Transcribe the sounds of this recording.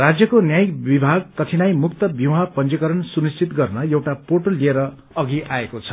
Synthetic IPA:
rad͡zjʌkonjajkbibʱaɡ̚kʌt̪ʰinajmuk̚t̪ʌbjiwapʌnt͡sikʌɾʌnsunist͡ʃʰit̪ɡʌrnʌjewʈapoʈolieɾʌ | ʌɡiʔaekot͡sʰʌ̥

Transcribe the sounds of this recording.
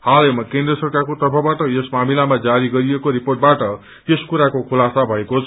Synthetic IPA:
halemʌkẽnd̪rʌsʌrkʰakot̪ʌrpʰʌbaʈʌjesmamilamad͡zaɾiɡʌɾijekoɾiporʈ̚baʈʌ | eskuɾakokʰulasabʱʌekot͡sʰ

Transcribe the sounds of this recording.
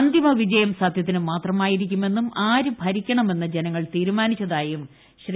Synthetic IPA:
nd̪ʱjɐmɐʋid͡ʑɐjɐmsɐd̪ʱjɐt̪̬ːinɨmaːt̪rɐmaːjiɾikʲːume̞nːumaːɾubʱɐɾikʲːɐɳɐme̞nːɐd͡ʑe̞nɐŋːɐɭt̪iːɾumaːnit͡ɕːɐðaːjum | ɕr

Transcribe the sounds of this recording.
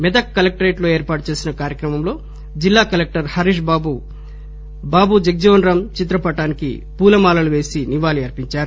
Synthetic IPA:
mɛd̪ɐkːɐlek̚ʈɐɾeːʈlo̞ːe̞ːɾpaːʈut͡ʃe̞ːsinɐkaːɾjɐkɾɐmɐmlo̞ː | d͡ʒilːaːkɐlek̚ʈɐɾhɐɾiːʂ̬baːbu | baːbud͡ʒek̚d͡ʒoːnɾɐmt͡ʃit̪̬ɾɐpɐʈaːnikḭ | puːlɐmaːlɐluʋe̞ːsiniʋaːliɐɾpiɲt͡ʃaːɾu

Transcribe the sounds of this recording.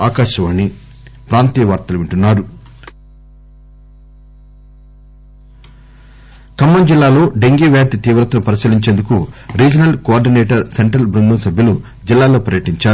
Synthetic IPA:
aːkaːʃɐʋɐnːi | pɾaːnt̪iːʋɐɾt̪ɐluʋiɳʈunːaːɾu | kɐmːɐnd͡ʒilːaːlo̞ːɖeŋɡiːʋjaːt̪it̪iːʋɾɐt̪ɐnupɐɾisiliɲt͡ʃe̞ːnd̪ukuɾiːd͡ʒɐnɐlkoaːɾɖineːʈɐɾse̞ɳʈɾɐlbɾund̪ɐmsɐbʱjɐlu | d͡ʒilːaːlo̞ːpɐɾjɐʈiɲt͡ʃaː

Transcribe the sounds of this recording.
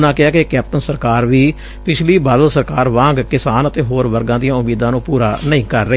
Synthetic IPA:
nãːkɪaːkekɛːp̚ʈənsəɾkaːɾʋiː | pɪt͡ʃʰliːbaːd̪əlsəɾkaːɾʋãːŋɡkɪsaːnət̪eːɦoːɾʋəɾɡãːd̪ɪjãːʊmiːd̪ãːnũːpuːɾaːnəĩːkəɾːə

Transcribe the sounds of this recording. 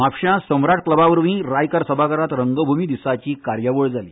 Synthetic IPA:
mapɕjãsəmɾaʈ̚kləbaʋəɾʋĩːɾajkəɾsəbʱakəɾat̪ɾəŋɡəbʱumiːd̪isat͡ɕiːkaɾjəʋəɭd͡zalḭː

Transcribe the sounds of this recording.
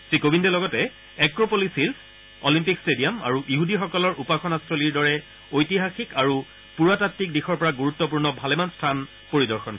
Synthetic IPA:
sɹikobʱindɛlɔɡɔtɛ | ɛkɹopolisils | ɔlimpikstedijama̰ɹuʔiɦudixɔkɔlɔɹʔupaxʰɔnastʰɹoliɹdɔɹɛ | ojtiɦaxikaɹu | puɹatatːik̚dixɔɹpɔɹaɡuɹutːɔp̬uɹnɔbʱalɛmanstʰan | poɹidɔɹxɔn

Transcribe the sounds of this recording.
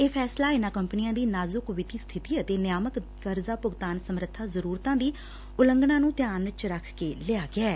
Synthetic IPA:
eːpʰɛːslaːɪnãːkəmpnɪjãːd̪iːnaːzʊkʋɪt̪iːst̪ʰɪt̪iːət̪eːnjaːmək | kəɾzaːpʊɡt̪aːnsəmɾət̪ʰːaːzəɾuːɾt̪ãːd̪iː | ʊləŋɡɳãːnũːt̪jaːnt͡ʃɾəkʰkeːlɪaːɡɪɛː

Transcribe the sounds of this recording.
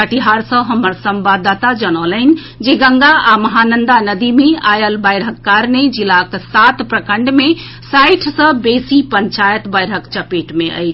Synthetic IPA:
əʈiɦaɾsə̃ɦəməɾsəmbad̪ːat̪ad͡ʒənələn̆ | d͡ʒeɡə̃ŋɡaaməɦanənd̪anəd̪imeajəlbəjɾəkːaɾned͡ʒilaksat̪pɾəkəɳɖme | sajʈʰsə̃besipəɲt͡ʃajət̪bəjɾɦəkt͡ʃəpeʈmeʔə̰jt͡ʃʰ

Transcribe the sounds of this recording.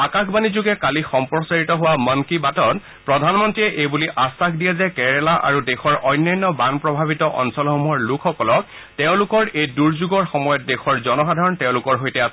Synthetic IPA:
akaxʰbanizuɡɛkalixɔmpɹɔsaɹitɔɦʊwamɔnkibatɔt | pɹɔdʱanmɔntɹiɛʔejbuliʔasakdijɛzɛkɛɹɛlaʔa̰ɹudexɔɹʔɔjnːɔjnːɔbanpɹɔbʱabitɔʔɔ̰nsɔlxomuɔɹlukʰxɔkɔlɔk̚ | tɛʊ̃lʊkɔɹejduɹzuɡɔɹxɔmɔjɔt̚dexɔɹzɔnɔxadʱaɹɔntɛʊ̃lʊkɔɹɦojtɛas

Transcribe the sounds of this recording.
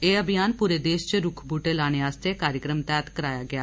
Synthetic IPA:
eːəbʱɪjaːnpuːɾeːd̪eːʃt͡ʃɾʊkʰbuːʈeːlaːɽ̃eːaːst̪eːkaːɾjəkɾəmt̪ɛːt̪kəɾaːjaːɡɪaː

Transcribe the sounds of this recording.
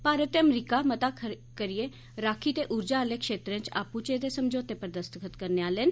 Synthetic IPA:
paːɾət̪eəmɾiːkaːmət̪aː | kəɾijeː | ɾaːkʰiːt̪eːʔʊɾd͡ʒaːleːkʃeːt̪ɾə̃nt͡ʃa̰ːput͡ʃeːt̪eːsəmd͡ʒoːt̪eːpəɾd̪əst̪əkʰət̪kəɾneaːleən

